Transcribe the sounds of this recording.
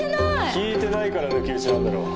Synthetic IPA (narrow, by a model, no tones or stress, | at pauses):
kʲiːt̪e̞naikaɾanokʲiɯ̟t͡ɕinãnd̪aɾo̞̰ː